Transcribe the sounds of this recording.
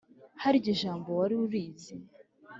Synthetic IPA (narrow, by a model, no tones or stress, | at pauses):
haɾiɟiʒaːmbowaɾiuɾiːzi